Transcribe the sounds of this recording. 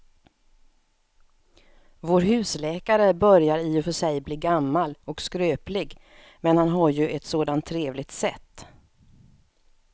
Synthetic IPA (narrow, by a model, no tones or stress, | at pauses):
voːɾɦʉ̟ːslɛːkaɾəbœɾjaɾiːɔfœʂɛjbliːɡamːalɔkskɾøːplɪɡ | mɛnhanɦaɾjɵʔɛt̪soːd̪ant̪ʰːɾeːvlɪɡt̪sɛt̪ː